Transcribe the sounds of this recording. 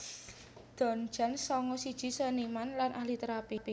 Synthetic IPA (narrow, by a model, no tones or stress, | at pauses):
d̪̥ɔ̤n̥d͡ʒ̥a̤nsɔŋɔsid̥ʒ̥i̤sənimanlanʔahlit̪əɾapip